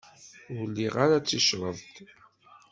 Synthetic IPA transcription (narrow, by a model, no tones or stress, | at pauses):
ʊlːiʁaɾat͡sːiʃɾˤəðˤt̪